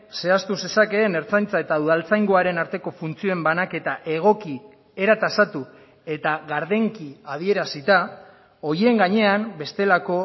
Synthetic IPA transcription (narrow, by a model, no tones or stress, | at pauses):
se̞ast̪use̞sake̞ne̞ɾt͡sajnt͡sae̞t̪auðalt͡sajŋɡoaɾe̞naɾt̪e̞ko̞funt͡sio̞embanake̞t̪aʔe̞ɣ̞o̞ki | e̞ɾat̪asat̪u | e̞t̪aɣaɾðe̞ŋkiaðie̞ɾasit̪a | o̞ɾie̞ŋɡaɲe̞ambe̞st̪e̞lako̞